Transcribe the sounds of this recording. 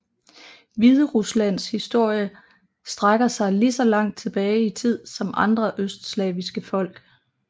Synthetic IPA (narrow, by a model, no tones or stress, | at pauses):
ʋiðˠəʁuslæn̰shisd̥o̝ɐ̰jə | sd̥ʁaɡ̥ɐsɑ̈ɪlisɒ̽lɑ̈ŋ̰d̥̚t͡sʰe̝b̥ɛːɪit͡sʰið̞̰ˠsɒ̽mʔɑ̈nd̥ʁɐʔøsd̥slɛːʋisɡ̥əfɒ̽l̰ɡ̥